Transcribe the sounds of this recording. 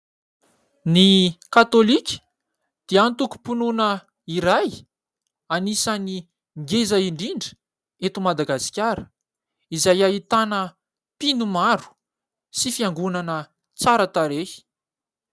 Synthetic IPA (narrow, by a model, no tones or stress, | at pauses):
nikat̪olikʲ | d̪̥eant̪uku̥pununə | iɾaj | anisani | ŋɡezaiɳɖ͡ʐiɳɖ͡ʐə̥ | et̪umad̪aɡasi̥kʲaɾə̥ | izajait̪anə | pinumaɾu̥ | sifiaŋɡunanə | t͡saɾət̪aɾei̥